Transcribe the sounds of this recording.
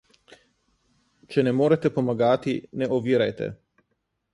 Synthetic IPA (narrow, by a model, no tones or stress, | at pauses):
t͡ʃɛnɛmoːɾat̪ɛpomaɡaːt̪inɛʔoʋiːɾajt̪ɛ̰